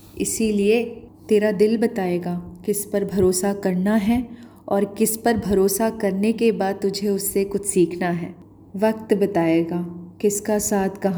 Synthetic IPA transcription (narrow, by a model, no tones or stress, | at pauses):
ɪ̰siliet̪eːɾad̪ɪlbɐt̪aːeːɡaːkɪspɐɾbʱɐɾoːsakɐɾnaɦɛ | ɔːɾkɪspɐɾbʱɐɾoːsakɐɾnekebaːd̪̚t̪ʊd͡ʒʱeʊsːekʊt͡ʃʰsiːkʰnaɦɛ̰ː | ʋɐk̚t̪bɐt̪aːeːɡaːkɪskasaːt̪ʰkɐɦ